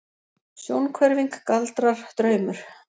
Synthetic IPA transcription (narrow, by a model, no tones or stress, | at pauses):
sjownkʰvɛɾviŋkːalt̪ɾaɾ̥t̪ɾœːɥmʏɾ̥